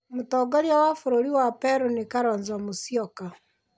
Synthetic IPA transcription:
motɔɡɔɾjawafoɾoɾiwapɛɾonekaɾɔɲzɔmosiɔka

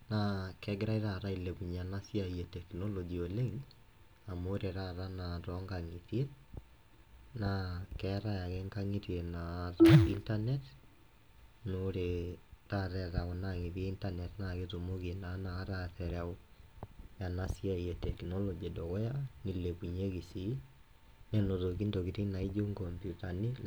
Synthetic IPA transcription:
nakɛɡeɾaiɾaɾaileβuɲanasiaiɛtɛkinolɔd͡ʒioleŋ | amoɾeɾaɾanaɾɔŋɡaŋiθe | nakɛɾajaɣeŋɡaŋiɾienaɾaintanɛt | noɾetaɾɛðaɣonaɣiðjeintanɛtnaɣeðumoɣienanaɾaθɛɾao | janasiaiɛtɛknɔlɔd͡ʒedoɣɔjanileβuɲeɣisi | nenoðokindoɣiɾinaid͡ʒoŋɡɔmpjutani

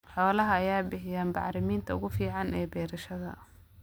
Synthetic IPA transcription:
ħɔːlɐɦɐɐjaːbɪħɪjaːnbɑ̰ʕɾɪmiːnt̪ʰɐʊ̰ɣʊfiːʕɑnʔɛːbɛːɾɐʃɐðɐ̰

